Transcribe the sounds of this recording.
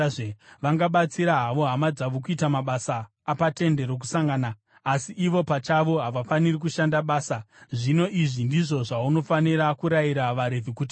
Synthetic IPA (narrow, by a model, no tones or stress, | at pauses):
ʋaŋɡaɓat͡siɾaɦaʋo̞ɦamad͡zaʋok̬uitamaɓasaː | pate̞nde̞ɾo̞k̬usaŋɡanaː | siʔiʋo̞pat͡ʃaʋo̞ɦaʋafanirikuʃandaɓaːsaʐino̞ʔiʐindiʐo̞ʐauno̞faniɾakuɾaiɾaʋaɾe̞vʱikuːti